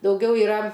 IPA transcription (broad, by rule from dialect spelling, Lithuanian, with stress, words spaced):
dɐʊˈɡʲɛʊ ɪˈrɐ